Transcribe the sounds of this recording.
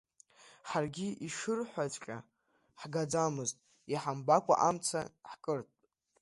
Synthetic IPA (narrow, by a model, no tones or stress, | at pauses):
ħarɡʲiʔiʂɨrħʷat͡sʷʼqʲʼa̰ | ħɡad͡zamɨztʼ | iħambakʷʼa̰ʔamt͡sʰaħkʼɨrtʼ